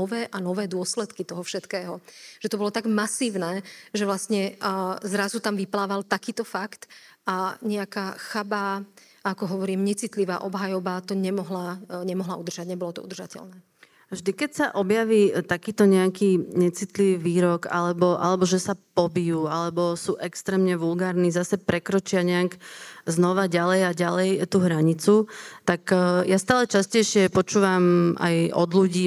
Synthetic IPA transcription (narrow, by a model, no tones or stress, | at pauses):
ɔʋɛːʔanɔʋɛːd̪ʊɔslɛt̪kit̪ɔɦɔfʃɛt̪kɛːɦɔʒ̥ɛt̪ɔbɔlɔt̪aɡmasiːʊnɛːʒɛʋlasɲɛzɾazut̪amʋiplaːʋalt̪akiːt̪ɔfakt̪ | aɲɛakaːxaba | akɔɦɔʋɔɾiːmɲɛt͡sit̪liʋa̰ːʔɔbɦajɔbat̪ɔɲɛmɔɦlaɲɛmɔɦlaud̪r̩ʒaɟɲɛbɔlɔt̪ɔ̰ud̪r̩ʒacɛ̰ʎnɛː | vʒd̪ikɛcsaʔɔbjaʋiːt̪akiːt̪ɔɲɛakiːɲɛt͡sit̪liʋiːʋiːɾɔɡa̰lɛbɔʔa̰lɛbɔʒɛsapɔbijuːalɛbɔsuːʔɛkst̪ɾɛːmɲɛʋulɡaːɾnizasɛpɾɛkɾɔt͡ʃɪaɲɛaɡznɔʋaɟalɛjaɟalɛjt̪uːɦɾaɲit͡sut̪akjast̪aːlɛt͡ʃascɛjʃɪɛpɔt͡ʃuːʋama̰jɔd̪luɟiː